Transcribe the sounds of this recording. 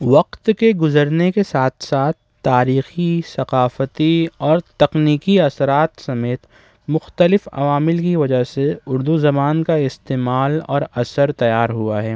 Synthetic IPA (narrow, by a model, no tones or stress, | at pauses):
ʋɐqt̪keɡʊzəɾnekesaːt̪ʰsaːt̪ʰːaːɾiːxisɐqaːfət̪iɔːɾt̪ɐqniːkiɐsɾaːt̪sɐmeːt̪ | mʊxt̪əlɪfɐ̰ʋaːmɪlkiʋɐd͡ʒaɦseʊɾd̪uzɐmaːnkaɪst̪eːmaːlɔ̰ːɾɐsəɾt̪ɐjaːɾɦuaɦɛː